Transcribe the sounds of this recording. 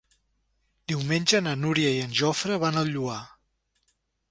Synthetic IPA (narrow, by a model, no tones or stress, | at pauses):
d̪iwmenʲʒənənuɾiəiənʲʒɔfɾəβanəlˠʎua